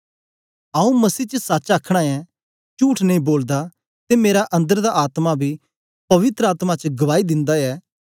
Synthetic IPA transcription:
ãːũmɐsiːt͡ʃəsaːt͡ʃaːkʰɽ̃ãɛ | t͡ʃuːʈʰnɐĩboːld̪a | t̪emeːɾaʔɐ̃nd̪əɾd̪aʔaːt̪mabʱi | pɐʋɪt̪ɾəaːt̪mat͡ʃɡɐʋaːid̪ɪ̃nd̪aɛː

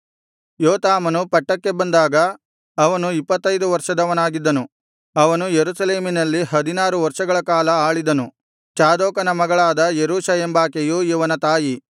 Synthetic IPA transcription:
joːt̪aːmɐnupɐʈːɐkːe̞bɐnd̪aːɡɐː | ʋɐnuipːɐt̪ːɐjd̪uʋɐɾʂɐd̪ɐʋɐnaːɡid̪ːɐnu | ɐʋɐnujeɾusɐle̞ːminɐlːiɦɐd̪inaːɾuʋɐɾʂɐɡɐɭɐkaːlɐaːɭid̪ɐnu | t͡ʃaːd̪ɔːkɐnɐmɐɡɐɭaːd̪ɐjeɾuːʃɐɦembaːkejujiʋɐnɐt̪aːji

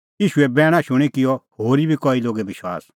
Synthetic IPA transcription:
jiːʃuɛbɛːɽ̃ãʃʊɽ̃ikɪjɔhoːɾibʱikɔːiloːɡɛbɪʃwa̰ːs

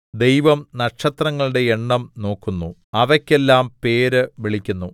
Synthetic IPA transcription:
d̪e̞jʋɐmnɐkʂɐt̪rɐŋːɐɭɨɽe̞eɳːɐmno̞ːkːunːu | ɐʋɐkʲːe̞lːaːmpe̞ːɾɨʋiɭikʲːunːu

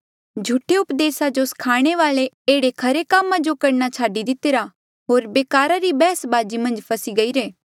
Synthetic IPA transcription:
d͡ʒʱuʈʰeʊpd̪eːsad͡ʒoskʰaːɽ̃eʋaːle | eːɽekʰɐɾekaːmãd͡ʒokɐɾñat͡ʃʰaːɖid̪ɪt̪eːɾa | ɦoːɾbeːkaːɾaɾibɛːəsbaːd͡ʒimɐ̃nd͡ʒpʰɐsiɡɐiɾeː

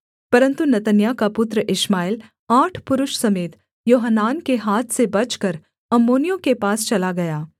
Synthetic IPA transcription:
pɐɾə̃nt̪unɐt̪ənjakapʊt̪ɾəʔɪʃmaːɪl | aːʈʰpʊɾʊʃsɐmeːt̪ | joːɦənːaːnkeɦaːt̪ʰsebɐt͡ʃkɐɾ | ɐmːoːnijõkepaːst͡ʃɐlaɡɐjaː

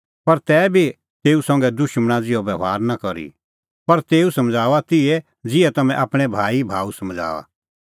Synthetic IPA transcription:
pɐɾt̪ɛːbʱi | t̪eːusɐ̃ŋɡɛd̪ʊʃmɽ̃ad͡zɪɔʋjɐʋaːɾnakɐɾḭ | pɐɾt̪eːusɐmd͡zaːʋat̪ɪɛ | d͡zɪɛt̪ɐmɛ̃ʔaːpɽ̃ɛbʱaːibʱaːusɐmd͡zʱa̰ːa̰

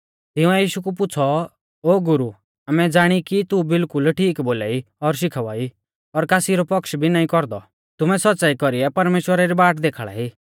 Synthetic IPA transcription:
t̪ɪũɛjiːʃukup̬ʊt͡sʰɔ | oːɡʊɾu | amɛd͡zaːɽ̃ikit̪ubɪlkʊlʈʰiːkboːlaːiɔɾʃ̬ɪkʰaʋaːi | ɔɾkaːsiɾɔpɔkʃbʱinaːĩkɔɾd̪ɔ | t̪ʊmɛsɔt̪ːt͡ʃaːikɔɾiɛpɐɾmeːʃwəɾaɾibaːʈd̪eːkʰːɭa̰ːiː

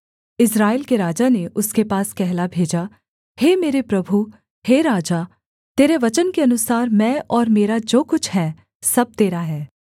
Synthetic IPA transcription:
ɪsɾaːɪlkeɾaːd͡ʒaneʔʊskepaːskɛɦlabʱeːd͡ʒa | heːmeːɾepɾɐbʱu | heɾaːd͡ʒaː | t̪eːɾeʋɐt͡ʃənkeɐnʊsaːɾmɛ̃ːʔɔːɾmeːɾad͡ʒoːkʊt͡ʃʰɦɛː | sɐb̚t̪eːɾaɦɛː

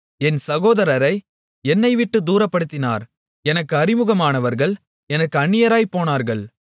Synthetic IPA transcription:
ɛnsɐɣoːðɐɾɐɾɐɪ | ɛnːɐɪʋɪʈːɯd̪uːɾɐpːɐɽɯt̪ːɪna̰ːɾ | ɛnɐkːɯɐɾɪmɯɣɐmaːnɐʋɐɾɣɐɭ | ɛnɐkːɯɐɳːɪjɐɾaːjpoːnaːɾɣɐɭ

